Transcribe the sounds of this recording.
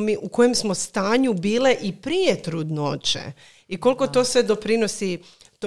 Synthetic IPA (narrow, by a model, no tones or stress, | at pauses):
miʔuko̞jemsmo̞st̪aːɲubiːleʔipɾije̞t̪ɾud̪not͡ɕḛ | iko̞lˠko̞t̪o̞ːsʋe̞d̪o̞pɾino̞si | t̪